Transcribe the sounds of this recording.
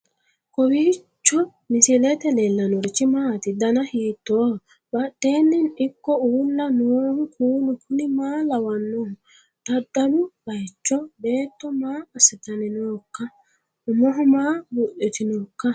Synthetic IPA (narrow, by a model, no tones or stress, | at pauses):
kɔwiːt͡ʃːɔ | mɪsɪlɛt̪ɛlelːɐnɔɾɪt͡ʃːɪmaːt̪ɪd̪ɐnɐhiːt̪ːoː | bɐtːeːnːɪnɪkːɔuːlːɐnoːhʊkʰuːnʊkʰʊnɪmaːlɐwɐnːɔhʊ | t̪ɐd̪ːɐbʊbɐjt͡ʃːɔbe̞ːt̪ːɔmaːɐsɪt̪ɐnɪnoːkːɐ | ʊmɔɦɔmaːbʊʔɪt̪ɪnoːkːɐ